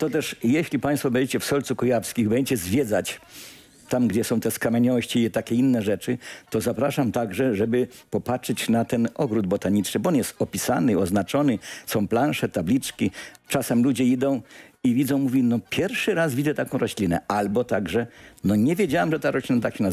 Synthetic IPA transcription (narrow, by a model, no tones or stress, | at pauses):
t̪ɔt̪ɛʂjɛɕlʲipãj̃st̪fɔbɛd͡ʑet͡ɕɛfsɔlt̪sukujafskʲixbɛɲd͡ʑʲet͡ɕɛzvʲjɛd̪zat͡ɕ | t̪amɡd͡ʑɛsɔ̃w̃t̪ɛskamʲɛɲɔɕt͡ɕiɛt̪akʲɛinːɛʐɛt͡ʂɘt̪ɔzapɾaʂamt̪aɡʐɛʐɛbɘ | pɔpat͡ʂɘt͡ɕnat̪ɛnɔɡɾud̪̚bɔt̪aɲit͡ʂnɘbɔɔnjɛst̪ɔpʲisanɪiɔznat͡ʂɔnɛsɔ̃w̃plãnʂɛt̪ablʲit͡ʂkʲit͡ʂasɛmlud͡ʑɛid̪ɔ̃w̃ivʲid̪zɔ̃w̃muvʲinɔpʲjɛɾfʂɘɾasvʲid̪zɛt̪akɔ̃w̃ɾɔɕlʲinɛ̰albɔt̪aɡʐɛnɔɲɛvʲjed͡ʑawamʐɛt̪aɾɔɕlʲinat̪akɕɛna